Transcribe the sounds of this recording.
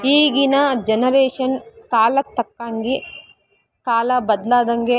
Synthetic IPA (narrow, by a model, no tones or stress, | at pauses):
iːɡinɐd͡ʒɐnɐɾeːʂɐnkaːlɐt̪ːɐkːaːŋɡi | kaːlɐbɐd̪laːd̪ɐŋɡe